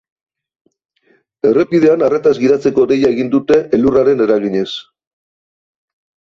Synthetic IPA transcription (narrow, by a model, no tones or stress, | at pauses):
e̞re̞piðe̞anaret̪azɡiðat͡seko̞de̞jae̞ɣind̪ut̪e̞ʔeluraɾe̞ne̞ɾaɣiɲe̞s